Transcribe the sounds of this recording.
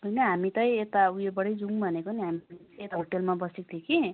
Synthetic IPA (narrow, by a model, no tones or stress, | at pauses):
ɦojnʌɦamit̪ʌjet̪aujobʌɽʌjd͡zuŋbʱʌnekoniɦamiet̪aɦoʈelmabʌsik̚t̪ʰjekʰi